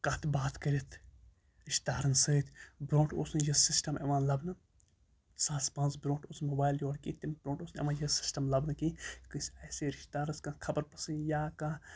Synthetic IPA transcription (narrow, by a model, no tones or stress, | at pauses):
kɐt̪ʰbaːt̪kɐɾʲit̪ʰ | ɾiʃt̪aːɾɐnsɨːt̪ʰʲbɾõːʈoːsnɐjɐsisʈɐmɐ̰ʋãːnlɐbnɐ | saːspɐ̃ːnzbɾõːɳʈoːsnmoːbaːjljoːɽkḭːt̪imbɾõːɳʈoːsnɐ̰mãːjɐsi̥sʈɐmlɐbnɐkikɨsɐːseɾiʃt̪aːɾɐskɐ̃kʰɐbɐɾpɐsɨ̃njaːka